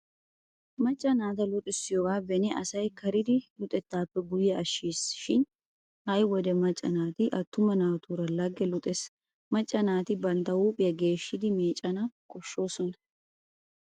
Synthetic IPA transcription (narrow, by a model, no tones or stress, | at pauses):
mɐt͡ʃʼːɐnaːt̪ɐlʊt̪ʼɪsːɪjɔɡaːbɛnɛʔɐsɐjkɐɾɪd̪ɪlʊt̪ʼɛt̪ːaːpːɛɡʊjːɛɐʃːiːsʃɪn | hɐjwɔd̪ɛmɐt͡ʃʼːɐnaːt̪ɪʔɐt̪ːʊmɐnaːt̪uːɾɐlɐɡɛlʊt̪ʼɛs | mɐt͡ʃʼːɐnaːt̪ɪbɐnt̪ɐwuːpʼɪjɐɡe̞ːʃːɪd̪ɪmeːt͡ʃʼɐnaːkɔʃːo̞ːsɔnɐ